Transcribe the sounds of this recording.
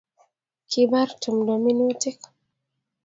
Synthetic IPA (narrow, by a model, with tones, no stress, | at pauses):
kʰi˦ba˦ɾtu˨mdɔ˨mi˦n˦o˦ti˦k